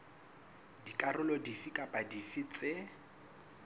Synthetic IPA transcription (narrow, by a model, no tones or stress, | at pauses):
dikʼarʊlɔdifikʼapʼadifit͡sʼe